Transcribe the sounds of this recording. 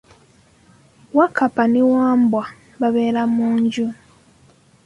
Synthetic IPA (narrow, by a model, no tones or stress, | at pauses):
wakapaniwaːmbwa | βaβeːɾamuːɲɟu